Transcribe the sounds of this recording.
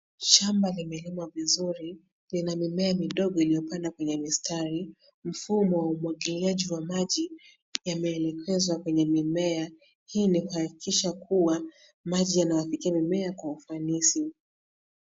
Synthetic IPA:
ʃambalimɛlimwavizuɾi | linamimɛamiɗɔɠɔilijɔpandakwɛɲɛmistʰaɾi | m̩fumɔwaumwaɠiliaʄiwamaʄi | jamɛːlɛkʰɛzwakwɛɲɛmimɛa | hiːnikuhakikiʃakʰuwa | maʄijanawafikiamimɛakwaufanisi

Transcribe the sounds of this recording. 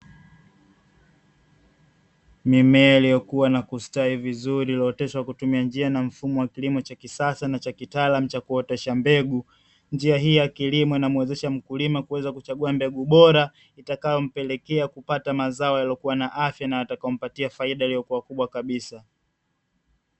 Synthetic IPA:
mimɛailijɔkuwanakustaivizuɾilɔːtɛʃwakutumiand͡ʒianam̩fumɔwakilimɔt͡ʃakisasanat͡ʃakitaːlam̩t͡ʃakuɔtɛʃambɛɠu | nd͡ʒiaɦijakilimɔinamuwɛzɛʃam̩kulimakuwɛzakut͡ʃaɠuambɛɠuɓɔɾa | itakajɔm̩pɛlɛkɛakupatamazaɔjalɔkuwanaʔafjanajatakaɔm̩patiafaiɗailijɔkuwakuɓwakaɓisa

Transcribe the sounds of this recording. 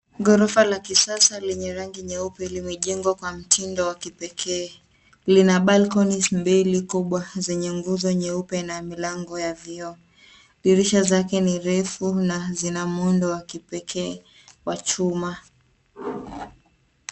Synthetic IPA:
ɡɔɾɔfalakisasalɛɲɛɾaŋɡiɲɛupɛlimɛʄɛŋɡwakwam̩tʰindɔwakipɛkʰɛː | linaɓalkɔnismbilikuɓwazɛɲɛŋɡuzɔɲɛupɛnamilaŋɡɔjaviɔ | liɾiʃazakɛniɾɛfunazinamundɔwakipɛkʰɛː | wat͡ʃuma

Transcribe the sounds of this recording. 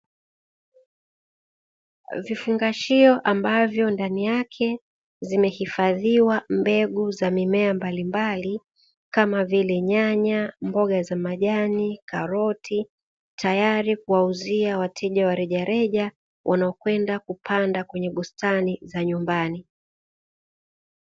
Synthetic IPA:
vifuŋɡaʃiɔʔambavjɔndanijakʰɛ | zimɛhifaðiwambɛɠuzamimɛambalimbali | kamavilɛɲaɲambɔɠazamaʄanikaɾɔtʰi | tʰajaɾik̚uwauziawatʰɛʄawaɾɛʄaɾɛʄa | wʔanaɔkwɛndakupʰandakwɛɲɛɓustanizaɲumbani

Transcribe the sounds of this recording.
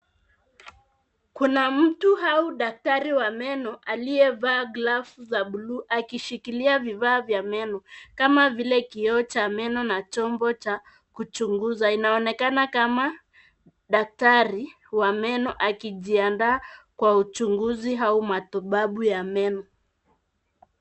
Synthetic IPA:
kunam̩tuɦauɗak̚taɾiwamɛnɔʔaliɛvaːɡlafuzaɓuluʔakiʃikiliavivaːvjamɛnɔkamavilɛkiɔt͡ʃamɛnɔnat͡ʃɔmbɔt͡ʃa | kut͡ʃuŋɡuzainaɔnɛkanakama | ɗak̚taɾi | wamɛnɔʔakiʄiandaːkwaut͡ʃuŋɡuziɦaumatuɓaɓujamɛnɔ

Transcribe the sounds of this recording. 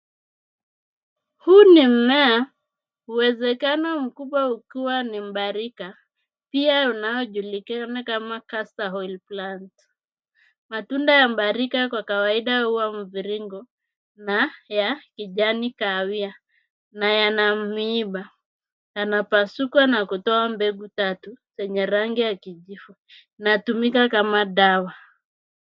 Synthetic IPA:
hunim̩mɛa | uwɛzɛkanɔm̩kuɓwaukiwanim̩ɓaɾika | piaunajɔʄulikanakamakasahɔilplant | matundajam̩ɓaɾikakwakawaiɗahuwam̩viɾiŋɡɔ | najakiʄanikawia | najanamiɓa | janapasukwanakutɔambɛɡutatusɛɲɛɾaŋɡijakiʄifu | natumikakamaɗawa

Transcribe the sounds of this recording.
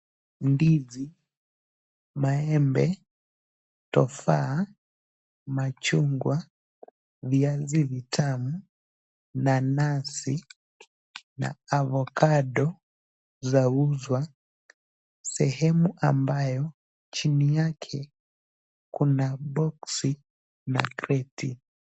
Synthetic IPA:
ndizi | maɛmbɛ | tɔ̰fa | mat͡ʃuŋɡwa | βjaziβitʰamu | nanasi | na̰ːβɔkaɗɔ | zauzwa | sɛhɛmuʔambajɔ | t͡ʃinijakʰɛ | kunabɔksi | na̰kɾɛtḭ

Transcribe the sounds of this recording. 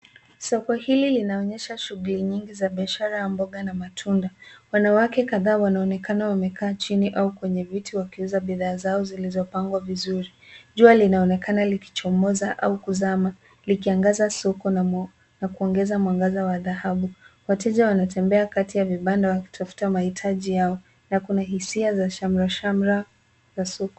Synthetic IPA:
sɔkɔhililinaɔɲɛʃaʃuɣuliɲiŋɡizaɓiaʃaɾajambɔɠanamatʰundawanawakɛkaðaːwanaɔnɛkanawamɛkaːt͡ʃiniʔaukwɛɲɛvitiwakiuzaɓiðaːzaɔzilizɔpaŋɡwavizuɾiʄualinaɔnɛkanaliki̥t͡ʃɔmɔzaʔa̰ukuzama | likiaŋɡazasɔkɔ | nakuɔŋɡɛzamaŋɡazawaðahaɓuwatɛʄawanatɛmbɛakatijaviɓandawaku̥tʰafu̥tamahitʰaʄijaɔ | nakunaɦisiazaʃam̩ɾaʃamɾa | zasɔkɔ̥

